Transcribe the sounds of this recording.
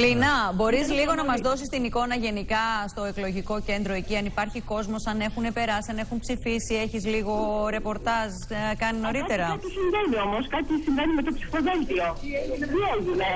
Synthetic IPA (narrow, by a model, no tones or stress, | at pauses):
linɐbo̞ɾiz̬liɣo̞nɐmɐzðo̞sist̪iniko̞nɐʝe̞nikɐst̪o̞e̞klo̞ʝiko̞ce̞nd̪ɾo̞e̞ciɐnipɐɾçiko̞zmo̞sɐne̞xune̞pe̞ɾɐsiɐne̞xunpsifisie̞çizliɣo̞ɾe̞po̞ɾt̪ɐz | kɐnino̞ɾit̪e̞ɾɐɐt̪isiɱvenio̞moskɐt̪isiɱvenimet̪opsi̥xoðelt̪ioieʝune